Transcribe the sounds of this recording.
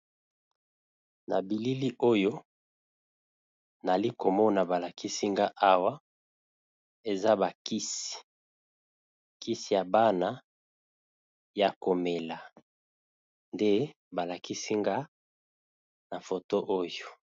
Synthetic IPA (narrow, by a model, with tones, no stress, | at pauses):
na̰˨bi˨li˦li˦ʔo˦jo˦ | na˨li˦ko˨mɔ˦na˨ba˨la˨ki˦si˦ŋɡa˦ʔa˦wa˦ | e˨za˦ba˨ki˦si̥˨ | ki˦si˨ja˨ba˦na˦ | ja˨ko˨me˨la˨ | nde˦ | ba˨la˨ki˦si˦ŋɡa˦ | na˨fo˨to˦ʔo˦jo˨